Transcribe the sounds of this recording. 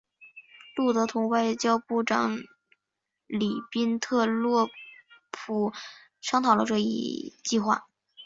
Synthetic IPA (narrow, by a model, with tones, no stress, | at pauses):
lu˥˩t̪ɤ˧˥t̪ʰʊ˧˥ŋwa˥˧ɪt͡ɕjɑ˥ʊpu˥˩ʈ͡ʂɑ̰˨˧˩ŋ | li˨˩pi˥nt̪ʰɤ˥˧lwɔ˥˩pʰu˨˩ | ʂʰɑ˥ŋt̪ʰɑ˨˩ʊlə˧ʈ͡ʂɤ˥˧ḭ˥˧t͡ɕi˥˧xwa̰˥˩